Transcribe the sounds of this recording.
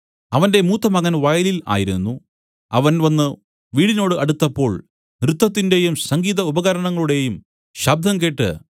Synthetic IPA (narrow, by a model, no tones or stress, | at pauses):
ɐʋɐnde̞muːt̪ːɐmɐɣɐnʋɐjɐlila̰ːjiɾṵnːu | ɐʋɐnʋɐnːɨ | ʋiːɽino̞ːɽɨʔɐɽut̪ːɐpːo̞ːɭ | nrɨt̪ːɐt̪ːinde̞jumsɐŋɡiːðɐubɐɣɐɾɐɳɐŋːɐɭuɽe̞jum | ɕɐb̚d̪ʱɐmk̬eːʈːɨ̰